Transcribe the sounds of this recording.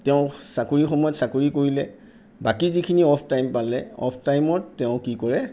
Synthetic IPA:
tɛʊ̃sakuɹixɔmɔjɔtsakoɹikoɹilɛ | bakizikʰiniɔpʰtajmpalɛɔ̰pʰtajmɔtɛʊ̃kikɔɹɛ

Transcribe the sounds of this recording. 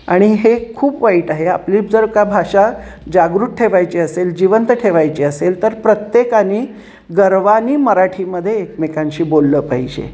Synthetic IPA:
aɽ̃iɦekʰuːpʋaiʈaɦea̰pliːd͡zəɾkabʱaʂa | d͡ʑaɡɾuʈ̚ʈʰeʋajt͡ɕiːəseld͡ʑiʋənt̪əʈʰeʋajt͡ɕiːəselt̪əɾpɾət̪jekaniː | ɡəɾʋaniːməɾaʈʰiːməd̪ʱːjeːkmekãɲɕiːbolːəːpaɦid͡ʑḛ

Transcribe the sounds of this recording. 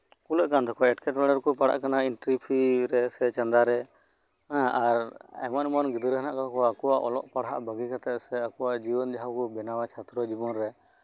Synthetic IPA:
kulɛʔkand̪ɔkɔɛʈkɛʈɾaɽəɾkɔpaɽa̰ʔkanainʈɾipʰiɾɛsɛt͡ʃə̃nd̪aɾɛ̃ | aɾɛ̰mɔnmɔnɡid̪ɾɦana̰ʔkakɔakɔwaʔɔlɔʔpaɽɦa̰ʔbəɡikat̪ɛʔsɛakɔwaʔd͡ʒibɔnd͡ʒaɦawkɔbɛnawat͡ʃʰat̪ɾɔd͡ʒibɔnɾɛ

